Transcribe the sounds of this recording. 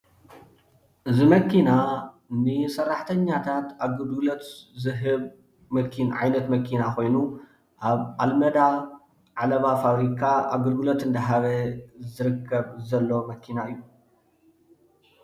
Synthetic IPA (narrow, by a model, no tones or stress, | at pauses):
ʔɨzimɐkʰːina | nɨsɐrːaħt̪ʰɐɲːat̪ʰat̪aɡɨɾɡɨlot̪zɨɦɨβ | mɐkʰinʕajnɐt̪mɐkʰinakʰo̞jnu | ʔaβʔalmɐd̪a | ʕalɐβafaβɾikʰaaɡɨɾɡɨlot̪ɨnd̪ɐɦaβɐzɨɾɨkʰːɐβzɐlːo̞mɐkʰinaɨjːu